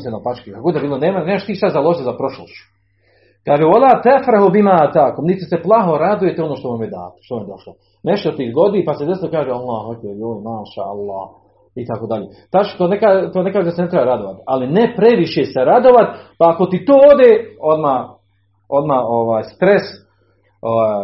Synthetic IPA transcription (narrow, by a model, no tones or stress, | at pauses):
senopat͡ʃkikaɡod̪abiːlˠoneːmaneːmaʃt̪iːʃt̪azalˠoʒit̪ozapɾoʃloʃt͡ɕu̥ | kaːʒeolaːt̪efɾaɦobimaːt̪akomnitsiseplˠaɦo̞ɾad̪uje̞t̪eonoʃt̪omamjed̪a̰ːt̪o̥ʃt̪ommjd̪oʃlo | neʃt̪ot̪iːɡod̪iːpased̪esilokaːʒealˠːaːhakojoːmaːʃa̰ːalˠːɑ̰ːh | it̪akoːd̪aʎeː | t̪at͡ʃk̪onekaːt̪onekaːʒed̪asenet̪ɾebaɾad̪oʋat̪alinepɾeʋiʃeːseɾad̪oʋat̪paːkot̪it̪oːod̪eːod̪maː | od̪maːoʋaːjst̪ɾes | oa